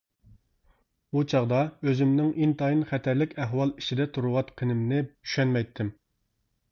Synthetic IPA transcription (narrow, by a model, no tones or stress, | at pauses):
ut͡ʃʰɑʁd̪ɑøzɪmnɪŋʔint̪ɑinχɛt̪ʰæɾlɪkʲæɦwɑlˠit͡ʃʰid̪ɛt̪ʰuɾʊwɑt̪qʰənɨmnɪy̥ʃɛnmɛjt̪ʰːɪm